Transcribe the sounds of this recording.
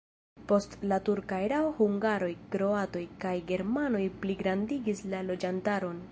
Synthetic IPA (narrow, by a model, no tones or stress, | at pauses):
po̞stlatuɾkajɾawhuŋɡaɾo̞jkɾo̞ato̞jkajɡe̞ɾmano̞jpliɡɾandiɡislalo̞d͡ʒantaɾo̞n